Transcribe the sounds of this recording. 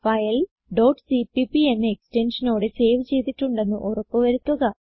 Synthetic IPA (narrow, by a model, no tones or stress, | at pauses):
fɐjɐl | ɖoːʈsipipienːeeksʈe̞nʂɐno̞ːɽese̞ːʋt͡ɕe̞jt̪iʈːuɳɖe̞nːuʔorɐpːoʋɐɾut̪ːɐɣɐ